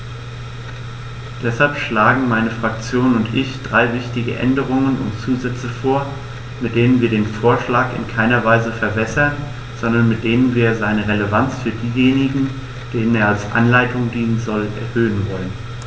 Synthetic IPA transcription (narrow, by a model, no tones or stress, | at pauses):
d̥ɛshalpʃlaːɡŋ̩maɪnəfʁ̥ak̚t͡sjoːnʊntʰʔɪçd̥ʁaɪvɪçtɪɡəʔɛ̰ndəʁ̞ʊŋənʊ̰ntt͡suːzɛt͡səfoːɐ | mɪt̚d̥eːnənviːɐdeːnfoːɐʃlaːkɪ̰nkʰaɪnɐvaɪzəfɛɐbɛsɐn | z̥ɔndɐnmɪt̚d̥eːnənviːɐzaɪnəʁeləvant͡sfyːɐdiːjeːnɪɡŋ̩ | d̥eːnəneːɐalsʔa̰nlaɪtʰʊŋdiːnənzɔlʔɛ̰ɐhøːənvɔlən